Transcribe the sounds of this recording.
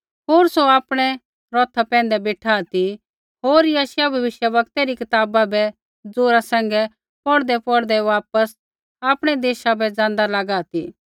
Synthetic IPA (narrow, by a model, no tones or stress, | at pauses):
ɦoːɾsoaːpɽ̃ɛ | ɾɔːt̪ʰapɛ̃ːnd̪ɛbeːʈʰaːt̪i | ɦoːɾjaːʃjabʱɐʋɪʃjəʋɐk̚t̪ɛɾikɪt̪aːbabɛ | d͡zoːɾasɛ̃ːŋ̆ɡɛ | pɔɽd̪ɛpɔɽd̪ɛʋaːpəs | aːpɽ̃ɛd̪eːʃabɛd͡zãːnd̪alaɡaːt̪i